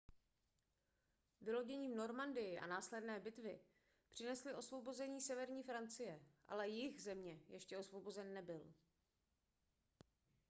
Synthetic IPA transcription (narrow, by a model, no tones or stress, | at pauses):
vɪlo̞ɟɛɲiːmno̞ɾmandɪjɪʔa̰naːslɛdnɛːbɪt̪vɪ | pr̝̥ɪnɛslɪʔo̞svo̞bo̞zɛɲiːsɛvɛɾɲiːfɾant͡sɪjɛʔa̰lɛjɪxzɛmɲɛjɛʃcɛo̞svo̞bo̞zɛnːɛbɪl